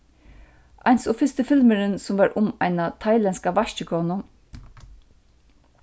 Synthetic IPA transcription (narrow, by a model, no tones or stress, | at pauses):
ʔa̰ɪnsɔːfɪst̪əfɪlməɾənsʊmvɑːɹʔʊma̰ɪnat̪ʰaɪlɛnskaʋaʃt͡ʃəkʰɔːnʊ